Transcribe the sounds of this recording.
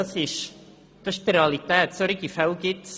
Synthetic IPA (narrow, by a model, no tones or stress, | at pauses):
ɑsɪʃ | d̥əʃd̥ɾeɑlitɛːtsɔɾɪɡifɛlɡɪts